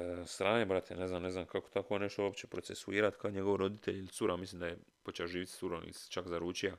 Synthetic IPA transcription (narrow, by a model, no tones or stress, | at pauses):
st̪ɾaːnebɾat̪ʰene̞znamne̞znamkako̥t̪akone̞ʃt̪oopt͡ɕe̞pɾo̞se̞suiːɾat̪kʰaoɲe̞ɡo̞ʋɾo̞d̪it̪eʎilit̪uɾʔamislimd̪aje | pot͡ʃeoʒiːʋit̪suɾomḭt͡ʃakzaɾuːt͡ʃija